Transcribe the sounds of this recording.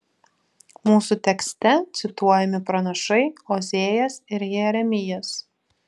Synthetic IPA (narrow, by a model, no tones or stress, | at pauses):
muːsut̪ʲɛksʲt̪ʲɛt̪sʲɪt̪uɔjɛmʲɪpɾɐnɐʃɐɪoːzʲeːjɛsɪɾjɛɾʲɛmʲɪjɛs